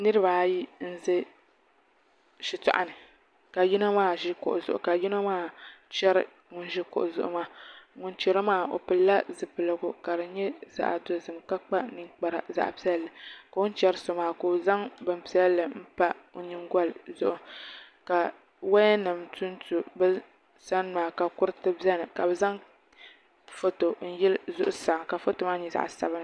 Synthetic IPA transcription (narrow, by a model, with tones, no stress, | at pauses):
nɨ˦ɾɨ˦baː˨˦ji˦n̩˦zɨ˦ | ʃi˦tɔ̰˨ʔa̰˨nɨ˨ | ka˨ji˦na˦maː˦˨ʒɪ˦kʊ̰˨ʔʊ˨zʊ̰˨ʔʊ̰˨ka˨ji˦na˦maː˦t͡ʃɛ˦ɾɪ̰˦ | ŋʊ˦n˦ʒi˦kʊ̰˨ʔʊ˨zʊ̰˨ʔʊ̰˦maː˦˨ŋʊ˦nt͡ʃɛ˦ɾo˦maː˦˨o̰˨pɨ˨lːa˦zɨ˨pɨ˨lɨ˨ɡʊ˦ka˨ɾɨ˨ɲɛ˦za̰˨ʔa̰˨to˦zɨ˨mka˦k͡pa˦nɨ˦ŋk͡pa˨ɾa̰˨za̰˨ʔpi˦ɛ˦lːɨ˨ka˨ʊ˦n˦t͡ʃɛ˦ɾɨ˦so˨maː˨ko˨za˦ŋbɨ˨mpi˦ɛ˦llːɨ˨m̩˦pa˦o˨ɲi˦ŋɡɔ˦lzʊ˦ʔʊ˦ | ka˨ | wa˦ɛ˦nɨ˨mtʰu˦n˦tu˨bɨ˦ | sa˦n˦maː˨ka˨kʊ˦ɾɨ˦tɨ˦bɛ˦nɨ˨ka˨bɛ˨za˦ŋ | fo˦to˨n̩˦jɛ˦lzʊ˦ʔʊ˦sa˨ŋ˨ka˨fo˦to˨maː˦ɲɛ˨za̰˨ʔsa̰˨bɨ˦nɨ˦